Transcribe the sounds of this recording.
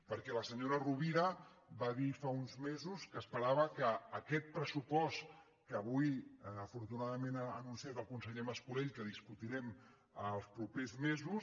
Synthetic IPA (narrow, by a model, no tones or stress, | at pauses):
pəɾkɛləsəɲoɾəruβiɾəbaðifaunzmezuskəːspəɾaβ̞əkəːkɛt̪̚pɾəsupɔst̪ | kəβujəfuɾt̪unaðəmenənunsijat̪əlˠkunsəʎeməskuleʎkəð̞iskut̪iɾɛm | əlˠspɾupezmezus